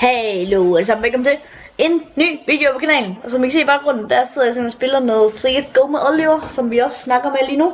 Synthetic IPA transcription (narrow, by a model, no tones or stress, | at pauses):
hæloæd̥esɑm̩ʋelkɒ̽m̩t͡sʰe̝ | e̝nːy̰ːʋḭːd̥e̝opʰɒ̽kʰænɛ̰ːln̩ɒ̽sɒ̽mʋikʰæse̝̰ːib̥ɑ̈ʊɡ̥ʁɔ̽n̰n̩d̥æɐseðˠɐjɑse̝m̥b̥ʰenɒsb̥e̝lɐnɔ̽ːð̩ˠfʁiɡ̥əsɡ̥oʊmʔɒleʋɐsɒ̽mʋiɒ̽sːnɑ̈ɡ̥ɐɒmeliːnu